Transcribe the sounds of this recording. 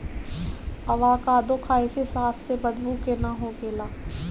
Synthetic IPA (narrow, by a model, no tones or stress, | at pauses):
ɐʋaːkaːd̪õkʰaːesesaːpʰsebəd̪buːkenaɦoːɡeːlaː